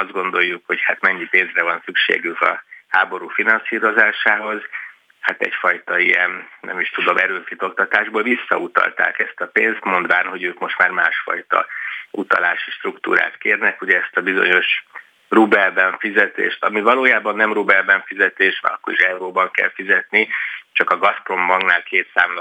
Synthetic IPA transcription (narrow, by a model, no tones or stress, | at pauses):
ɒzd̪̚ɡond̪o̞jːukho̞chat̪mɛɲːipeːnzrɛvɒnsykʃḛːɡykɒ̰haːbo̞ɾufinɒnsiːɾo̞zaːʃaːɦo̞z | hat̪ɛ̰cfɒjt̪ɒijɛnnɛ̰miʃt̪ud̪o̞mʔɛɾøːfit̪o̞kt̪ɒt̪aːʒboːlvisːɒ̰ut̪ɒ̰lt̪a̰ːkɛst̪ɒpeːnst̪mo̞nd̪vaːnɦo̞ɟøːkmo̞ʃt̪maːrma̰ːʃfɒ̰jt̪ɒ̰ut̪ɒ̰laːʃiʃt̪rukt̪ṵːɾa̰ːt̪keːrnɛkuɟɛɛst̪ɒbizo̞̰ɲo̞ʃ | rubɛlbɛɱfizɛt̪ḛːʃt̪ɒmivɒloːjaːbɒnːɛmrubɛlbɛɱfizɛt̪eːʃʋ̰ɒ̰kːoɾiʃɛuɾoːbɒŋkɛ̰lfizɛt̪nit͡ʃɒkɒɡɒspro̞mbɒŋɡnaːlkeːt̪sa̰ːml